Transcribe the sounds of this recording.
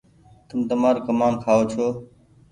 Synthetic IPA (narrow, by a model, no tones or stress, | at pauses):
t̪əmd̪əmaːɾkəmaːnkʰaːoːt͡ʃʰoː